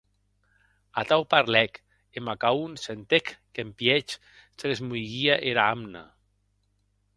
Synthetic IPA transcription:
at̪awpaɾlɛk | emakaunsent̪ekːempjɛt͡ʃ | seɣezmujɣiaʔeɾaamna̰

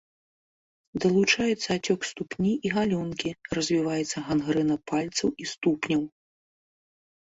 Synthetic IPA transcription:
d̪ɐlˠut͡ʂajɛt̪sːɐat͡sʲɔkst̪upnʲiʔiɣalʲɔnkʲirɐzʲvʲivajɛt̪sːɐɣanɣɾɨnɐpalʲt̪sɐwist̪upnʲɐw

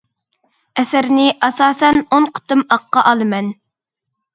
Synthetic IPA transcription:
ɛsæɾnɪʔɑsɑːsɛnonqʰʊ̥t̪ɨmɑqːɑʔɑlˠɨmɛn

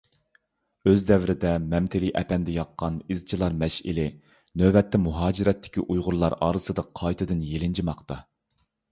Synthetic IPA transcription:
øzd̪ɛvɾɪd̪ɛmɛmt̪ʰɪlijʔɛpɛnd̪ɛjɑqːɑnizt͡ʃʰilˠɑɾmɛʃɪ̰lɪ | nøbɛt̪ʰːɛmuɦɑːd͡ʒiɾɛt̪ʰːɪ̥kʲiʔujʁʊɾlˠɑɾɑ̰ːɾɨsɨd̪ɑqʰɑjt̪ʰɨd̪ɨnjelɪnd͡ʒʰimɑqt̪ɑ

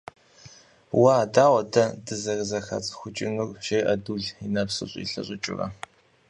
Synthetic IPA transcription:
waːdaːwʷɐdɐdɨzɐɣzɐxɐ̰t͡sʼxʷʊt͡ʃʼɪnurʃejʔɐduːɮinɐpsɨ̰ɕʼḭɬɐ̰ɕʼɪt͡ʃʼɪ̰rɐ̰

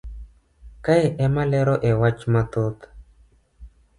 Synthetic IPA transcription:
kaeʔɛmalɛɾɔʔɛwat͡ʃmat̪ot̪

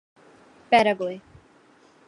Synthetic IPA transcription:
b̥ɛɾəɡli

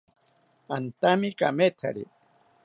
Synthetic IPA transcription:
ant̪amika̰met̪ʰa̰ɾḭ

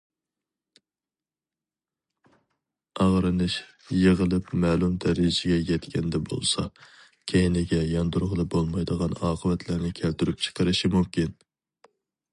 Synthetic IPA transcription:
ɑʁɾɨnɨʃ | jeʁəlˠɨpmɛːlˠumd̪ɛɾid͡ʒɪɡʲɛjɛt̪kʲɛnd̪ɛbo̰lˠsɑ̰ | kʲʰejinlɪɡʲɛjɑnd̪uɾʁəlˠɨbolˠmɑjd̪əʁɑnɑːqʰəvɛt̪ʰlæɾnɪkʲʰælt̪yɾyp̚t͡ʃʰə̥qʰəɾɨʃimumkʲin

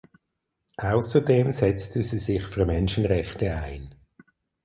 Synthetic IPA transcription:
ʔaʊsədeːmzɛt͡stʰəziːzɪχfyːɐmɛnʃənʁɛχtəa̰ɪn

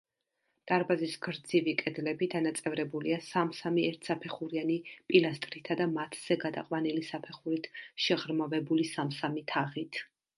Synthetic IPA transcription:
d̪̥ʼaɾbazisɡɾd̪zivikʼɛd̪lɛbid̪anat̪sʼɛvɾɛbuliasamsamiɛɾt̪ʰsapʰɛχuɾianipʼilast̪ʼɾit̪ʰad̪amat̪ʰz̥ɛɡad̪a̰qʼwanilisapʰɛχuɾit̪ʰʃɛʁɾmavɛbulisamsamit̪ʰaʁit̪ʰ

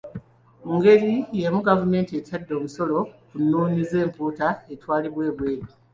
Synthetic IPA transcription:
muŋɡe̞lijemuɡavume̞ːntietadːo̞ːmuso̞lo̞kunːuːnize̞ːmpuːtae̞twaːliβwe̞ːβwe̞ːɾi

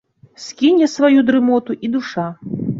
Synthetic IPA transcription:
skʲinʲɛsvajud̪ɾɨmɔt̪uʔid̪uʂa

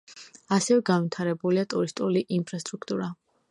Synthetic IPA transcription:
asɛvɛɡanvit̪ʰaɾɛbuliat̪ʼuɾist̪ʼuliʔinpʰɾast̪ʼɾukʰt̪ʼuɾa

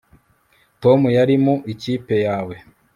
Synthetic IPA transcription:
to̞mujaɾimuʔiciːpe̞jaːwe̞

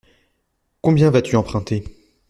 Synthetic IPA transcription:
kɔ̃bjɛ̃vat̪yɑ̃pχɛ̃t̪e

